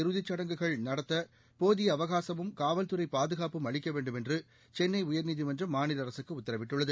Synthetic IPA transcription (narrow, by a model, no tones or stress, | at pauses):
ɪɾɯðɪt͡ʃːɐɽɐŋɡɯɣɐɭnɐɽɐt̪ːɐ | poːðɪjɐɐʋɐɣaːsɐmɯmkaːʋɐlt̪ɯɾɐɪpːaːðɯɣaːpɯmɐɭɪkːɐʋeːɳɖɯmɛndrɯ | t͡ʃɛnːɐɪʊjɐɾniðimɐndrɐmːaːnɪlɐɾɐsɯkːɯʊt̪ːɐɾɐʋɪʈːɯɭːɐðɯ